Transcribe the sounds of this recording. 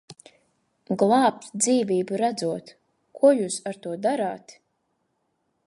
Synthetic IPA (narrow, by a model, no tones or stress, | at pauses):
ɡlˠɑːp̚t̪d̪ziːvʲiːbuɾad̪zuɔt̪ | kʰuɔjuːsaɾt̪uɔd̪aɾaːt̪